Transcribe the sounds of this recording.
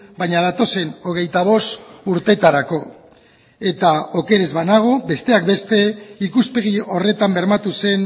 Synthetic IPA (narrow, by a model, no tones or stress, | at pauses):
bajɲaðat̪o̞se̞no̞ɣ̞e̞jt̪aβ̞o̞suɾt̪e̞t̪aɾako̞ | e̞t̪aoke̞ɾe̞zβanaɣ̞o̞be̞st̪e̞akbe̞st̪e̞ikuspe̞ɣio̞re̞t̪ambe̞ɾmat̪use̞n